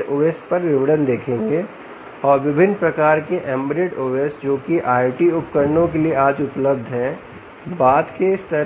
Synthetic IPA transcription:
oːʋespɐɾʋɪʋəɽənd̪eːkʰẽːŋɡeː | ɔːɾʋɪbʱɪnːpɾɐkaːɾkeʔɛ̃ːmbɾeːʈoːʋesd͡ʒoːkiʔaːɪʈiʊpkəɾnõkelieaːd͡ʒʊpləb̚d̪ʱɦɛ̃ | baːd̪keɪst̪əɾ

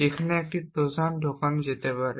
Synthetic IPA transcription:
ekʰanɛɛk̚ʈipɹɔzandʱɔkanzet̪ɛpaɹɛ

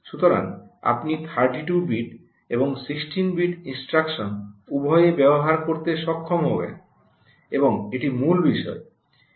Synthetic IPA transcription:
ʃut̪oɾa̰ŋ | a̰pnipʰaɾʈiʈubiʈ | eboŋsiksʈinbiʈinsʈɾakʃonubʱɔjebɛboɦaɾkoɾt̪eʃɔkʰːomɦobḛ | eboŋeʈimulbiʃɔ̰e

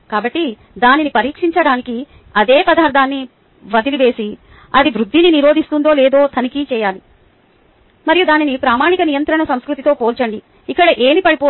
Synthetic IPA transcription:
kaːbɐʈːi | d̪aːninipɐɾiːkʂiɲt͡ʃɐɽaːniki | ɐd̪eːpɐd̪ʱaːɾd̪ʰʱaːnːi | ʋɐd̪iliʋe̞ːsi | ɐd̪iʋɾud̪ʱːininiɾo̞ːd̪ist̪und̪o̞ːlɛːd̪o̞ːt̪ʰɐnikit͡ʃɛːjaːli | mɐɾijud̪aːninipɾaːmaːɳikɐnijɐnt̪ɾɐɳɐsɐmskɾut̪it̪o̞ːpoːlt͡ʃɐɳɖiː | kːɐɽɐʔeːmipɐɽipoː

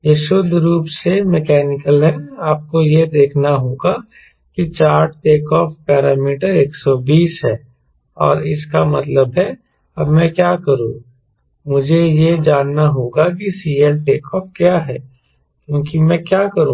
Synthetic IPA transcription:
jeʃod̪ʱɾuːpsemekɛːnɪkəlɦɛaːp̚kojed̪eːkʰnaɦoːɡa | kit͡ʃaːɾʈeːkɔːfpɛːɾaːmiːʈəɾeːksɔbiːsɦɛː | ɔ̰ːɾɪskamɐt̪ləbɦɛ | ɐbmɛ̃kjaːkɐɾũ | mʊd͡ʒʱejed͡ʒaːnːaɦoːɡak̬isiːelʈeːkɔːfkjaːɦɛː | kjõːkimɛ̃kjaːkɐɾũː

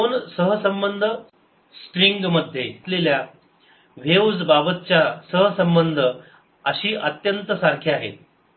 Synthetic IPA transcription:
onsəɦəsəmbənd̪ʱə | sʈɾiŋɡməd̪ʱjeit̪lelja | ʋewd͡zbabət̪̚t͡ɕjasəɦəsəmbənd̪ʱə | əɕiːʔət̪jənt̪əsaɾkʰeaɦḛt̪̚

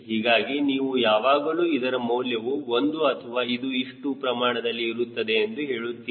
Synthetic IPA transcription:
ɦiːɡaːɡiniːʋujaːʋaːɡɐluːid̪ɐɾɐmɐwljɐʋuo̞nd̪uɐt̪ʰɐʋaːid̪uiʂʈupɾɐmaːɳɐd̪ɐlːiːɾut̪ːɐd̪e̞ːnd̪uɦe̞ːɭut̪ːi

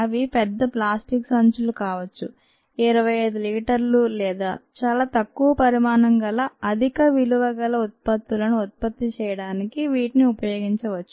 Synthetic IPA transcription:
ɐʋipɛd̪ːɐplaːsʈiksɐnt͡ʃulukaːʋɐt͡ʃːu | iɾɐʋɐjɐjd̪uliːʈɐɾlulɛːd̪a̰ːt͡ʃaːlaːt̪ɐkːuʋɐpɐɾimaːnɐŋɡɐlɐɐd̪ʱikɐʋiluʋɐɡɐlɐut̪̚pɐt̪ːulɐnuut̪̚pɐt̪ːit͡ʃɛːjɐɽaːnikiʋiːʈiniupɐjoːɡiɲt͡ʃɐʋɐt͡ʃːu

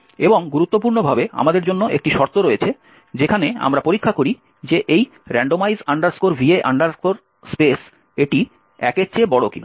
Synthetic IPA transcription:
eboŋɡuɾut̪ːop̬uɾnobʱabea̰mad̪eɾd͡ʑonːoʔḛk̚ʈiʃɔɾt̪oɾoet͡ɕʰe | d͡ʑekʰanea̰mɾapoɾikʰːakoɾi | d͡ʑeʔej | ɾɛɳɖomajzaɳɖaɾskoɾbʱieʔa̰ɳɖaɾkoɾ | spes | eʈi | ɛ̰ket͡ɕebɔɽokina

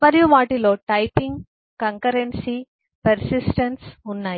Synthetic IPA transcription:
mɐɾijumaːʈilo̞ːʈɐjpiŋɡ | kɐŋkɐɾensiː | pɐɾsisʈɐnsunːaːji

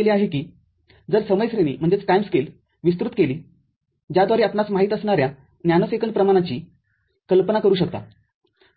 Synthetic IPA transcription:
leaɦekiː | d͡zəɾsəməjsɾenḭːm̤əɳd͡zet͡sʈajmskel | ʋis̬t̪ɾut̪keliː | d͡ʑjad̪ʱʋaɾiːapnat͡smaɦiːt̪əsɳaɾja | njanəsekənpɾəmaɽ̃at͡ɕiː | kəlpənakəɾuːɕəkt̪a̰

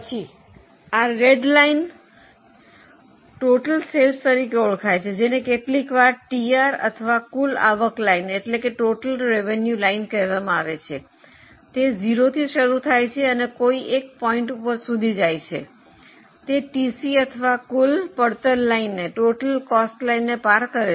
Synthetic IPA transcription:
t͡ʃʰi | aɾeɖlain | ʈoʈəlselst̪əɾikeuɭkʰajt͡ʃʰed͡ʒenekeʈlikʋaɾʈiaɾə̰t̪ʰəʋakula̰ʋəklaineʈlekeʈoʈəlɾeʋenjulainkəɾʋamãaʋet͡ʃʰe | t̪ed͡ʒiɾot̪ʰiʃəɾut̪ʰajt͡ʃʰeənekoiʔek̚pɔiɳʈupəɾsud̪ʱid͡ʒajt͡ʃʰḛ | t̪eʈisiət̪ʰəʋakulpəɽt̪ənlainːeʈoʈəlkɔsʈlainːepaɾkəɾe

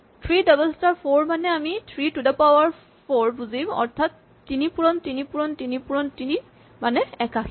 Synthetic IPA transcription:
tʰɹidɔbɛlstaɹpʰoɹmanɛamitʰɹitudapawaɹ | pʰoɹbuzimɔ̰ɹtʰatː | inipuɹɔntinipuɹɔntinipuɹɔntini | manɛɛkakʰ

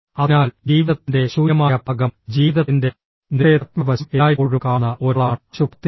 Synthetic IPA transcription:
ɐnaːld͡ʑiːʋiðɐt̪ːinde̞ɕuːjɐmaːjɐbʰʱɐɡɐmd͡ʑiːʋiðɐinde̞ | nijɐt̪mɐbɐɕɐmeːjipoɻukaːnːɐʔo̞ɾɭaːɳɕukt̪i

